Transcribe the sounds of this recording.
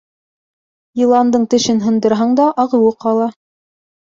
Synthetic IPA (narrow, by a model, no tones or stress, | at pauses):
jilˠɑnd̪ɤɴt̪ɘ̆ʃɘnɦɤ̆nd̪ɤ̆ɾɦɑɴd̪ɑʔɑʁɤ̆wɤqɑlˠɑ